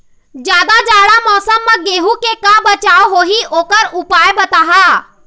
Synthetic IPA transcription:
d͡ʒjaːd̪ad͡ʒaːɽamɔːsəmːaɡeːɦukekabɐt͡ʃaːoɦoːɦiʔoːkəɾʊpaːjbɐt̪aɦaː

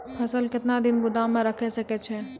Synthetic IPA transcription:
pʰəsəlkɪt̪nad̪inbʊd̪amẽɾəkʰɛsəkɛt͡ʃʰɛ

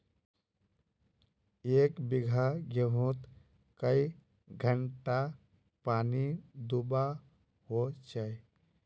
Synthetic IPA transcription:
ekbiɡʱaɡəɦũt̪ | kəi | ɡʱəɳʈa | panid̪uba | hot͡ʃaj

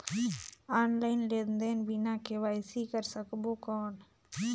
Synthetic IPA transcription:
aːnlaːɪnleːd̪nd̪eːnbinãːkʰeːʋaːjsiːkəɾsəkboːkoːn

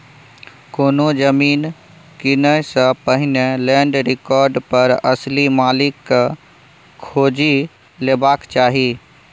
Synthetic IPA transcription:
koːnod͡ʒəmiːn | kɪnəsəpəɦɪnelɛ̃ːɳɖɾɪkɔːɾɖpəɾəslimaːlɪk | kʰːoːd͡ʒi | leːbaːkt͡ʃaːɦiː

